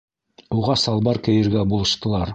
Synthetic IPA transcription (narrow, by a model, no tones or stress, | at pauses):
uʁɑsɑlˠbɑɾkɘ̆jɘ̆ɾɡæbulˠɤ̆ʃt̪ɤ̆lˠɑɾ